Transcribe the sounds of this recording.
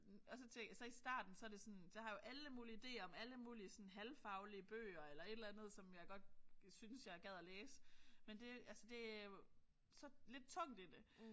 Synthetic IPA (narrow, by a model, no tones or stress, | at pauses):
ɒ̽sɒ̽t͡sʰesɒ̽isd̥ɑ̰̈ːd̥n̩sɒ̽æɐd̥e̝sɒ̽nj̥ɑ̈hɑ̈jo̝ʔæləmuːliid̥e̝̰ːɐɒ̽mæləmuːliəsɒ̽nɦælfɑ̈ʊliəb̥ø̰ːɐelɐe̝d̥lænð̞̩ˠsɒ̽mjɑ̈ɪɡ̥ɒ̽d̥̚synsjɑɪæɐɡ̥æð̞̰ˠɒleːsə̥mend̥e̝ælsəd̥e̝æo | sɒ̽le̝d̥̚t͡sʰɒ̽ŋ̰d̥id̥e